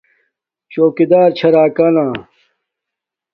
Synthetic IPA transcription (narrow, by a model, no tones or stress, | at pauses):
t͡ɕoːkid̪aːɾt͡ɕʰɐɾaːkanãː